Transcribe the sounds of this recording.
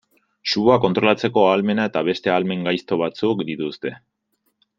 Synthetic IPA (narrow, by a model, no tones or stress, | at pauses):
ʃuβoako̞nt̪ɾo̞lat͡se̞ko̞alme̞nae̞t̪aβe̞st̪e̞alme̞ŋɡajst̪o̞β̞at͡sukd̪it̪ust̪e̞